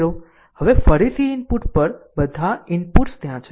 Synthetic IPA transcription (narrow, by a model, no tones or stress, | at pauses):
ɾo | həʋefəɾit̪ʰiɪnpuʈpəɾbəd̪ʱaɪnpuʈst̪jãt͡ʃʰ